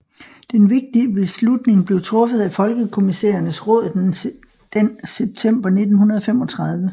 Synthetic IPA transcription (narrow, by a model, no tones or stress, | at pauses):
d̥enʋe̝ɡ̥̚d̥iəbe̝slud̥ne̝ŋb̥le̝ʊt͡sʰʁɔ̽fəð̞ˠæfɒ̽lɡ̥əkʰo̝misḛːɐnəsʁɔ̽ːðˠð̩ˠ | d̥enseb̥̚t͡sʰem̰b̥ɐne̝d̥n̩hunɐðˠɒ̽femɒ̽t͡sʰʁɑ̈ð̞ˠʋə